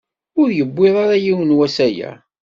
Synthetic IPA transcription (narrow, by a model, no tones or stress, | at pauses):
ʊɾjəbːɪðˤaɾajiwənwæsæjæ̰